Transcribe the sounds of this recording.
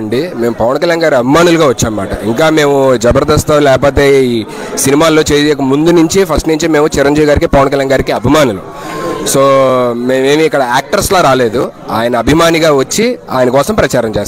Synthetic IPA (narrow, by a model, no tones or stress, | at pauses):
ɳɖime̞ːmupɐʋɐnkɐljaːnɡaːɾuɐbʱimaːnuluɡaːʋɐt͡ʃːaːmɐmːaːʈɐ̰iŋkaːme̞ːmud͡ʒɐbɐɾd̪ɐst̪ɐlɛːkɐp̬o̞ːt̪̬e̞ːiː | sinimaːlo̞ːt͡ʃeːd̪ijk̬ːɐmund̪unuɲt͡ʃipʰɐsʈniɲt͡ʃime̞ːmut͡ʃiɾɐɲd͡ʒiːʋiɡaːɾik̬ipɐʋɐnkɐljaːnɡaːɾikiɐbʱimaːnulu | so̞ːmeːeːmuikːɐɽɐaːk̚ʈɐɾsloːɾaːle̞ːd̪u | a̰ːjɐnɐːbʱimaːniɡaːʋɐt͡ʃːiaːjnɐkɔːsɐmpɾɐt͡ʃaːɾɐmt͡ʃeːst̪